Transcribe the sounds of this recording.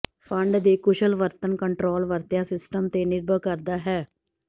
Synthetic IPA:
fʰə̃ɳɖd̪eːkʊʃəlʋəɾt̪ənkəɳʈɾoːlʋəɾt̪jasɪsʈəmt̪enɪɾbʱəkəɾd̪aːɦɛː

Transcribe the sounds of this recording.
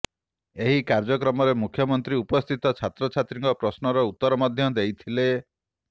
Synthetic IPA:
eɦikaɾd͡ʒɔkɾɔmɔɾemukʰjɔmɔnt̪ɾiupɔst̪ʰit̪ɔt͡ʃʰat̪ɾɔt͡ʃʰat̪ɾiŋkɔpɾɔsnɔɾɔut̪ːɔɾɔmɔd̪ʱjɔd̪ejt̪ʰile

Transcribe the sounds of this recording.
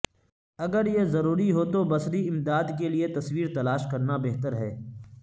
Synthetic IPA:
ɐɡəɾjezɐɾuːɾiɦot̪obɐsɾiɪmd̪aːd̪keliet̪ɐswiːɾt̪ɐlaːʃkɐɾnabɛɦt̪əɾɦɛː

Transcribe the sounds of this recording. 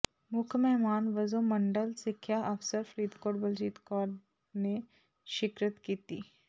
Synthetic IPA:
mʊkʰmɛɦmaːnʋɐzomɐ̃ɳɖəlsɪkʰːjaʔɐfsəɾfʰɾiːd̪koːɾʈbɐld͡ʒiːt̪kɔːɾ | ne | ʃɪkɾət̪kiːt̪ḭː

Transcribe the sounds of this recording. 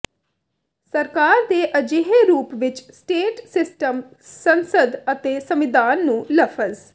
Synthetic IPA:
səɾkaːɾd̪eːʔəd͡ʒeɦeːɾuːpʋɪt͡ʃsʈeːʈsɪsʈəm | sənsəd̪ət̪eːsəmɪd̪aːnːũːləfʰəz

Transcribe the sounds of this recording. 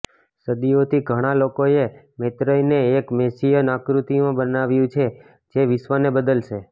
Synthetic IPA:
səd̪iot̪ʰiɡʱəɽ̃alokoe | met̪ɾəjneːkmesijənakɾut̪imãbənaʋjũt͡ʃʰe | d͡ʒeʋɪsʋənebəd̪əlʃe

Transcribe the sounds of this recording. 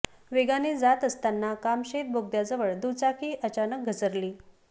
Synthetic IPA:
ʋeɡanid͡zat̪əst̪anːakamɕet̪̚bʱoɡ̚d̪jad͡zəʋəɭd̪ut͡sakiːʔət͡ɕanək̚ɡʱət͡səɾliː

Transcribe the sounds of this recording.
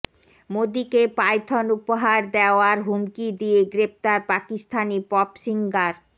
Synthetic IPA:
mod̪ikepajt̪ʰonupoɦaɾd̪eoaɾɦumkid̪ieɡɾep̚t̪aɾpakist̪ʰanipɔpʃiŋɡaɾ

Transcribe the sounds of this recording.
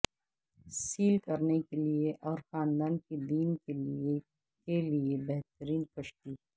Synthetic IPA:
siːlkɐɾnekelieʔɔːɾxaːnd̪aːnkid̪iːmkelie | keliebɛɦt̪əɾiːnkɐʃʈ̪i

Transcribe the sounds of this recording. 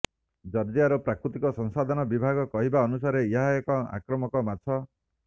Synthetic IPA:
d͡ʒɔɾd͡ʒiaɾopɾakɾut̪ikɔsɔŋsad̪ʱɔnɔbibʱaɡɔkɔɦibaɔnusaɾeiaɦajɔkɔa̰kɾɔmɔkɔmatt͡ʃʰɔ

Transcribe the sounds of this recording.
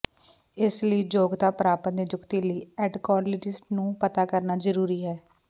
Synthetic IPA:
ɪsləiːd͡ʒoːɡt̪aːpɾaːpənd̪id͡ʒʊkt̪iːləiːɛːɖkɔːɾlɪd͡ʒɪsʈnũːpət̪aːkəɾnaːzəɾuːɾiːɦɛː

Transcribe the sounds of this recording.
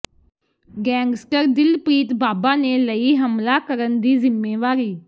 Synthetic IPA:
ɡɛ̃ːŋɡsʈəɾd̪ɪlpɾiːt̪baːbaːneːləiːɦəmlaːkəɾənd̪iːzɪmːeːʋaːɾiː

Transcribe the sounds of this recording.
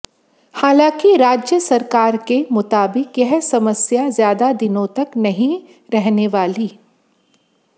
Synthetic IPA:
haːlãːkiɾaːd͡ʒjəsɐɾkaːɾkemʊt̪aːbɪkjɛɦsɐməsjazjaːd̪ad̪ɪnõt̪ɐknɐɦĩ | ɾɛɦneʋaːliː

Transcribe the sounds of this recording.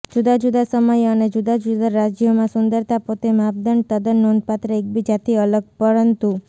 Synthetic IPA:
d͡ʒud̪ad͡ʒud̪asəməjəned͡ʒud̪ad͡ʒud̪aɾad͡ʒjomãsund̪əɾt̪apot̪emapd̪ənt̪əd̪ənːond̪̚pat̪ɾəek̚bid͡ʒat̪iələɡ̚pəɾənt̪u

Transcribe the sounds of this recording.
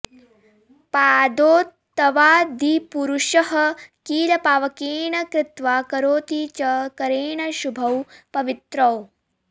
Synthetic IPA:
paːd̪oːt̪ːɐʋaːd̪ʱipuɾuʃɐɦɐkiːlɐpaːʋɐkeːɳɐkɾɪt̪ʋaːkɐɾoːt̪it͡ʃɐkɐɾeːɳɐʃubʱɐwpɐʋit̪ɾɐw

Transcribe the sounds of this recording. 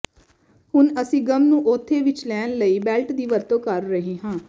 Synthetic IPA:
hʊnəsĩːɡəmnũːʔoːt̪ʰːeːʋɪt͡ʃlɛːnləiːbɛːlʈd̪iːʋəɾt̪õːkəɾːəɦĩːɦãː

